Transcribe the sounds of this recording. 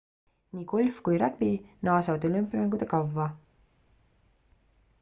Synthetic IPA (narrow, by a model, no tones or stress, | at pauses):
niːkulʲfkujɾæpinɑːsɑvd̪olympːˑjmæŋɡud̪ekɑvːɑ